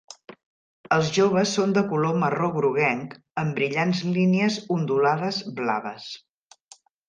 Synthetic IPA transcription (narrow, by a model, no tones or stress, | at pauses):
əlˠzʒoβ̞əsːond̪əkuloməroɣɾuɣ̞ɛŋk | əmbɾiʎanzliniəzund̪ulað̞əzbla̰βəs